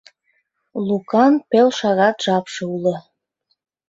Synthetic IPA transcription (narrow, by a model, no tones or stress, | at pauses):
lukɑnpelʃɑɣɑt̪ʒ̥ɑpʃɤulə̆